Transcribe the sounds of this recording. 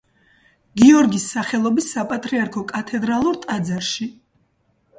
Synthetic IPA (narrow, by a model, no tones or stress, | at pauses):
ɡiɔɾɡisːaχɛlˠɔbisːapʼat̪ʼɾiaɾkʰɔkʼat̪ʰɛd̪ɾalˠuɾt̪ʼad̪zaɾʃi